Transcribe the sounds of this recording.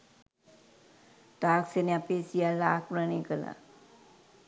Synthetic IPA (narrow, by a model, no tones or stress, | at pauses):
t̪aːkseneapeːsijalːaaːkmɾənikəla̰